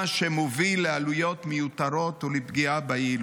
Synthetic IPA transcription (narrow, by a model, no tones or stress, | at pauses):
ʃemovilːealujo̞t̪mejut̪aɾo̞t̪ulebɡiabajeil